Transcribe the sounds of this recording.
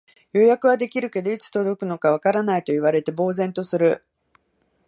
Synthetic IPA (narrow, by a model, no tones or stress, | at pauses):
jo̞jakɯ̟βad̪e̞kʲiɾɯ̟ke̞d̪o̞it͡sɨ̥t̪o̞d̪o̞kɯ̟no̞kaβ̞akaɾanait̪o̞iβ̞aɾe̞t̪e̞bo̞ːzẽ̞nt̪o̞sɨɾɯ̟